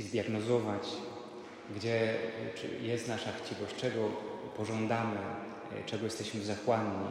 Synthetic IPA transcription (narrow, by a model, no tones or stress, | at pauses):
zd̪ʲjaɡnɔzɔvat͡ɕ | ɡd͡ʑɛ̰ | jɛst̪naʂakt͡ɕivɔɕt͡ʂɛɡɔpɔʐɔnd̪amɘ | t͡ʂɛɡɔjɛst̪ɛɕmɘzakwaɲɲi